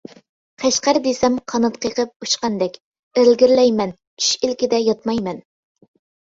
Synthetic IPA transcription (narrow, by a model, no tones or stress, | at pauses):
qʰɛʃqæɾd̪esɛmqʰɑnɑt̪̚qʰəqʰəp̚uʃqɑnd̪ɛkʲ | eɾlɡʲiɾlɛjmɛnʰ | y̥ʃilkʲɪd̪ɛjɑt̪̚mɑjmɛn